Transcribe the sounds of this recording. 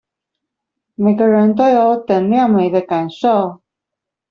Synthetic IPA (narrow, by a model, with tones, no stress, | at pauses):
me˨˩ɪɡə˦ɻə˧˦nt̪o˥ʊjo˨˧˥ʊt̪ə˨˩ŋljɑ˥˨ŋme˨˦ɪd̪ə˦ka˨˩nʂo˥˨ʊ